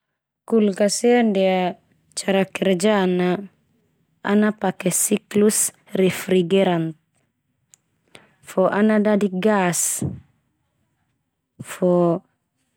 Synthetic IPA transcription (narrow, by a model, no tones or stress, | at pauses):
kulkasɛandɛa | t͡ʃaɾakɛɾd͡ʒana | napakɛsiklus | ɾɛfɾiɡɛɾant̪̚ | fɔʔanadadiɡas | fɔ